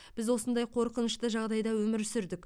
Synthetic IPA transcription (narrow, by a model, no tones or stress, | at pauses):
b̥ɪzwo̞sənd̪ɑjqʰo̞ɾqənəʃt̪əʒɑʁd̪ɑjd̪ɑwɵmɪɾsʏɾd̪ɪk